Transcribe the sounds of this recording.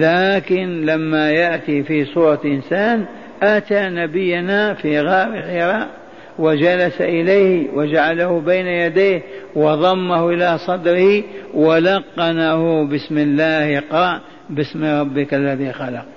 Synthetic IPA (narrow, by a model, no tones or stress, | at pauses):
laːkɪnlamːajaʔt̪ifisˤuːɾˤɑʔɪnsaːn | ʔat̪anabɪjːanafiːɣaːɾɪħɪɾɑːʔ | wɪd͡ʒalasaʔɪlajhwad͡ʒaʕalahʊbaːnajad̪eːhwɑðˤɑmːahʔɪlasˤɑd̪ɾɪhiwalɑqːɑnahʊbɪsmɪlːaːhɪqɑʔ | bɪsmɾˤɑbːɪkʔalːaðiːxalɑq̚